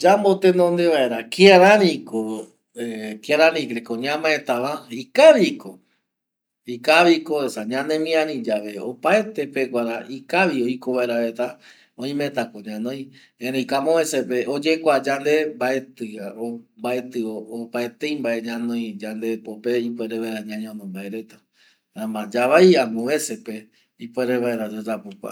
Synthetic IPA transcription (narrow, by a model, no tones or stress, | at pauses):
d͡ʒambot̪enõnd̪eʋaeɾakiaɾaɾĩko | ekiaɾanĩkɾekoɲãmãet̪aʋaikaʋiko | ikaʋikoesaɲãnẽmĩãɾĩd͡ʒaʋe̞o̰paet̪epekʷaɾaikaʋioikoβaeɾaet̪a | õĩmẽt̪akoɲãnõj̃ | ẽɾẽĩkamõβesepeod͡ʒekʷad͡ʒand̪embaet̪ɨaombaet̪ɨoːpaet̪ejmbaeɲãnõj̃d͡ʒand̪epopeipeɾeβaeɾaɲãɲõnõmbaeɾe̞t̪a | amãd͡ʒaβajamõβesepe | ipweɾeβaeɾad͡ʒed͡ʒapukʷa̰